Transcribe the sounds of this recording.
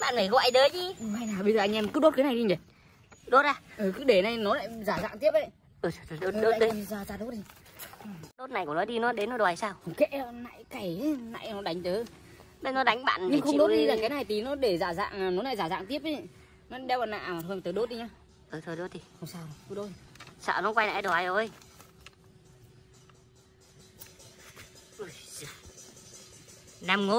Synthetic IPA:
ɓa̰ː˧˨nməː˨˧˩jɣɔ̰ː˧˨jt̪əː˨˦t͡ɕi˧˦˨ma˧jnaː˨˩ɓə˧jzəː˨˩ʔa˧ŋʔɛ˧mkɨ˦˥ɗo˦˥t̚kːa˨˦na˨˩jɗi˧ɲə˨˩ | ɗo˦˥t̚aː˧ʔɨː˨˩kɨ˨˦ɗe˧˩na˨˧˩jnɔ˨˦la̰ː˧˨jzaː˧˩za̰ː˧˨ŋt̪i˦˥əp̚ʔə˨˦j | ʔɨ˨˩ə˨˧˩t̪ʰə˧˩ɗo˦ɗoː˦˨˧ɗə˨˦˧zaː˨˧˩zaː˧ɗo˦˥t̚i˨˧˩ | ɨ˨˩ɗo˦˥t̚na˨˩jkʊ˧˩˨nɔ˨˦ɗi˧nɔ˨˦ɗe˨˦nːɔ˨˦o˨˩a˨˩jsaː˧wkḛ˧˥˨na̰ː˧˨jka˧˩jna̰˧˨jnɔ˨˦ɗa˨˦ŋ̟t̪əː˨˦ | ɓe˧jnɔ˨˦ɗa˨˦ŋɓa̰ː˧˨nɲɨ˧˨ŋ͡mxə˧wŋ͡mɗo˦˥˦t̚ɗi˧laː˨˩kaː˨˦jna˨˩jt̪i˨˩nɔ˨˦ɗe˧˩zaː˧˩za̰ː˧˨ŋː˨˩nɔ˨˦na˨˧˩jzaː˧˩za̰ː˧˨ŋt̪i˦˥əp̚ʔi˨ | nɔ˨˦ɗɛ˧wɓaː˨na̰ː˧˨˩t̪ɨ˧əŋt̪əː˨˦ɗo˦˥t̚i˧ɲaː˧ | ʔɨ˨˩t̪ʰɨː˨˧˩ɗo˦t̚t̪ʰi˨˩xə˧ŋ͡msaː˧wt̪u˨˦ɗo˨˦˥t̚sə̰ː˧˨nɔ˨˦kwa˧jna̰ː˧˨jɗo˨˩a˨˩jʔo˨˩j | ʔɨ˨˧˩j | na˨˧˩mŋo˧˦

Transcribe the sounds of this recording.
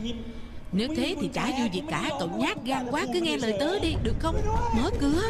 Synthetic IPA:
ne˨˦w̚t̪ʰe˨˦t̪ʰi˨˩t͡ɕaː˧˩zṵ˧˨vḭ˨˩tkːaː˧˩kə̰˧˨wŋ͡mɲaː˦˥t̚ɣaː˧kwaː˨˦kɨ˨˦ŋɛ˧ləː˨˩jt̪əː˨˦ɗi˧ɗɨ˨˩ək̚xə˧wŋ͡mməː˨˦jkɨ˨˦ə

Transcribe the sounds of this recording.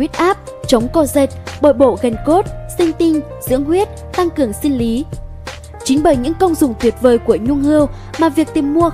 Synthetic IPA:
wi˦˥t̚ʔaː˦˥p̚t͡ɕə˨˦wŋ͡mkɔ˧˩ze˨˩t̚ɓoː˧˩jɓo̰˧˨ɣə˨˩ŋ̟ko˦˥t̚sï˧ŋ̟t̪ï˧ŋ̟ | zɨ̰˧˥əŋɦwi˦˥ət̚ | t̪a˧ŋkɨ˨˩əŋsi˧ŋli˨˦ | t͡ɕi˨˦ŋ̟ɓəː˧˩jɲɨ̰˧˥ŋkə˧wŋ͡mzʊ˨˩ŋ͡mt̪ʰwi˨˩ət̚vəː˨˩jku˧˩əɲʊ˧ŋhɨ˧əw | maː˨˩vi˨˩ək̚t̪i˨˩mːu˧ə

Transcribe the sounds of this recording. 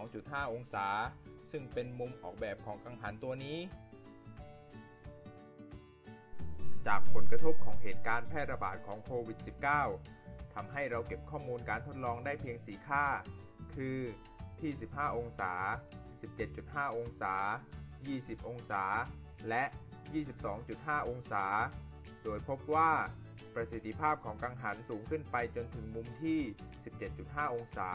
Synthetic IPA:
sɔː˩˦ŋt͡ɕu˨˩t̪̚haː˥˩ʔo˧ŋsaː˩˦sɯ˥˩ŋpe˧nmu˧mʔɔː˨˩k̚bɛː˨˩p̚kʰɔː˩˦ŋʔa˧ŋɦaː˩˦nt̪u˧ɐniː˦˥ | t͡ɕa̰ː˨˩k̚pʰo˩˦nkɾa˧t̪ʰo˦˥p̚kʰɔː˩˦ŋɦeː˨˩t̪̚kaː˧npʰɛː˥˩t̪̚ɾa˧baː˨˩t̪̚kʰɔː˩˦ŋkʰoː˧wi˨˩t̪̚si˨˩p̚kaː˥˩w | t̪ʰa˧mɦa˥˩jɾa˧wke˨˩p̚kʰɔː˥˩muː˧nkaː˧nt̪ʰo˦˥t̪̚lɔː˧ŋdaː˥˩jpʰi˧əŋsiː˩˦kʰaː˥˩ | kʰɯː˧ | t̪ʰiː˥˩si˨˩p̚ɦaː˥˩ʔo˧ŋsaː˩˦si˨˩p̚t͡ɕe˨˩t̪̚t͡ɕu˨˩t̪̚ɦaː˥˩ʔo˧ŋsaː˩˦jiː˥˩si˨˩p̚ʔo˧ŋsaː˩˦ | lɛ˦˥ʔ | jiː˥˩si˨˩p̚sɔː˩˦ŋt͡ɕu˨˩t̪̚ɦaː˥˩ʔo˧ŋsaː˩˦ | doː˧jpʰo˦˥p̚waː˥˩ | pɾa˧si˨˩t̪ʰːi˧pʰaː˥˩p̚kʰɔː˩˦ŋkaː˧ŋɦa˩˦nsuː˩˦ŋkʰɯ˥˩npa˧jt͡ɕo˧nt̪ʰɯ˩˦ŋmu˧mt̪ʰiː˥˩si˨˩p̚t͡ɕe˨˩t̪̚t͡ɕu˨˩t̪̚ɦaː˥˩ʔo˧ŋsaː˩˦

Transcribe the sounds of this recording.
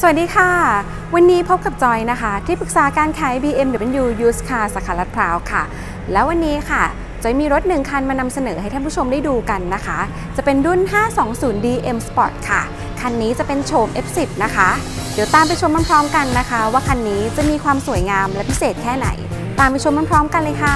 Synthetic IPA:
su˨˩˨t̚diː˧xʰa˥˩ | wa˧nːiː˦˥pʰo˦˥p̚ka˨˩p̚t͡ɕɔ˧jna˦˥kʰa˦˥t̪ʰiː˥˩pɯ˨˩k̚saː˩˦kaː˧nkʰɛː˧˩jbiː˧ʔe˧mɾɯː˩˦pe˧njuː˧juː˦˥skʰa˥˧˩saː˩˦kʰaː˩˦la˦˥t̪̚pʰɾaː˦˥wkʰa˥˩ | lɛː˦˥wa˧nːiː˦˥kʰa˥˩ | t͡ɕa˨˩miː˧ɾo˦˥t̪̚nɯ˨˩ŋkʰa˧nmaː˧na˧msa˧nɤː˩˦ha˥˩jt̪ʰaː˥˩pʰu˥˩t͡ɕʰo˧mdaː˥˩jduː˧ka˧nːa˦˥kʰa˦˥ | t͡ɕa˨˩pe˧ndu˥˩nɦaː˥˩sɔː˩˦ŋsuː˩˦ndiː˧ʔe˧msa˧pɔ̰˨˩t̪̚kʰa˥˩ | kʰa˧nːiː˦˥t͡ɕa˨˩pe˧nt͡ɕʰoː˧mʔe˦˥p̚si˨˩p̚na˦˥kʰa˦˥ | di˩˦wt̪aː˧mp̬a˧jt͡ɕʰo˧maː˥˩pʰɾɔː˦˥mka˧nːa˦˥kʰa˦˥waː˥˩kʰa˧nːiː˦˥t͡ɕa˨˩miː˧kʰwaː˧msu˨˩˦jŋaː˧mlɛː˦˥wpʰi˦˥seː˨˩t̪̚kʰɛː˥˩na̰˨˩˦j | t̪aː˧mpa˧jt͡ɕʰo˧ma˥˩pʰɾɔː˦˥mka˧nlɤː˧jkʰa˥˩

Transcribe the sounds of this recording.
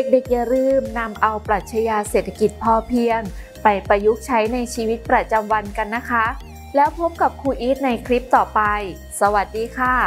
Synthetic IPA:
e˨˩k̚de˨˩k̚ja˧˩ɾɯː˧˩mna˧mʔa˧wpɾa˨˩t̪̚t͡ɕʰa˧jaː˧seː˨˩t̪ʰːḁ˧ki˨˩t̪̚pʰɔː˧˩pʰi˧əŋ | pa˧jpa˧ju˦˥k̚t͡ɕʰa˦˥jna˧jt͡ɕʰiː˧wi˦˥t̪̚pɾa˧t͡ɕa˧mwa˧nka˧nːa˦˥kʰa˦˥ | lɛː˦˥wpʰo˦˥p̚ka˨˩p̚kʰuː˧ʔiː˦˥t̪̚na˧jkʰɾi˦˥p̚t̪ɔː˨˩pa˧j | sa˧wa˨˩t̪̚diː˧kʰaː˧˩

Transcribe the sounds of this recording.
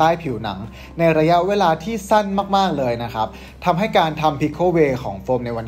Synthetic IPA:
aː˦˥˩jpʰi˨˩˦wna̰˩˦ŋ | na˧jɾa˧ja˦˥ʔweː˧laː˧t̪ʰiː˥˩sa˥˩nmaː˥˩k̚maː˥˩k̚lɤː˧jna˦˥kʰɾa˦˥p̚ | t̪ʰa˧mɦa˥˩jkaː˧nt̪ʰa˧mpʰi˦˥kʰoː˥˩weː˧kʰɔː˩˦ŋfoː˧mna˧jwa˧n

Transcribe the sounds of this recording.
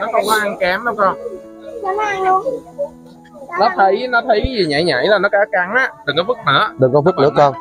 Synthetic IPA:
nɔ˨˦xə˧wŋ͡mkɔ˨˦ʔa˧ŋkɛ˨˦mɗə˨˦ŋ͡mxə˧wŋ͡m | nɔ˨˦t̪ʰə˨˦jnɔ˨˦t̪ʰə˨˦jzi˨˩ɲa̰˧˩jɲa̰˧˩˦jlaː˨˩nɔ˨˦˥kaː˨˦ka˨˩ŋʔaː˨˦ɗ̪ɨ˨˩ŋkɔː˨˦fɨ˦˥k̚nə̰ː˧˨˦ɗ̪ɨ˨˩ŋkɔ˨˦fk̚nɨ̰˧˦əkɔ˧n

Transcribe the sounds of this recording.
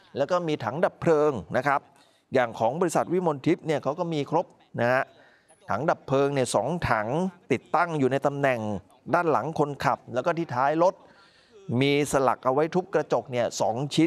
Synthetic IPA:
lɛ˦˥wkɔː˥˩miː˧t̪ʰa˩˦ŋda˨˩pʰːɾɤː˧ŋna˦˥kʰɾa˦˥p̚ | jaː˨˩ŋkʰɔː˩˦ŋbɔː˧ɾi˦˥sa˨˩t̪̚wi˦˥˩mo˧nt̪ʰi˦˥p̚ni˥˩ɐkʰa˦˥wkɔː˥˩miː˧kʰɾo˦˥p̚ | na˦˥ha˦˥ | t̪ʰa˩˦ŋda˨˩pʰːlɤː˧ŋni˥˩ɐsɔː˩˦ŋt̪ʰa˩˦ŋt̪i˨˩t̪ːa˥˩ŋjuː˨˩na˧jt̪a˧mnɛ˨˩ŋ | daː˥˩nla̰˩˦ŋkʰo˧nkʰa˨˩p̚lɛː˦˥wkɔ˥˩iː˥˩t̪ʰaː˦˥jlo˦˥t̪̚ | miː˧sa˧la̰˨˩k̚ʔa˧wa˦˥jt̪ʰu˦˥kːɾa˧t͡ɕo˨˩k̚ni˥˩ɐsɔː˩˦ŋt͡ɕʰi˦˥n

